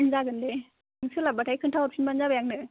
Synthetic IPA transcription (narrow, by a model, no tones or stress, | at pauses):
nzaɡɯnde | ŋsɯlabatʰajkʰɯntʰawap̚sʰinbanzabajaŋnɯ